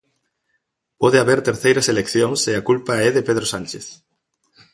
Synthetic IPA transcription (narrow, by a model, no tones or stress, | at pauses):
pɔðeaβeɾt̪eɾθejɾɐselekθjoŋseakulpaɛðepeðɾosanʲt͡ʃeθ